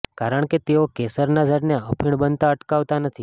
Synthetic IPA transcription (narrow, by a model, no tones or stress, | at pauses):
kaɾəɳ̃ket̪eokesəɾnad͡ʒaʈneəpʰiɳbənt̪aəʈkaʋt̪anət̪ʰi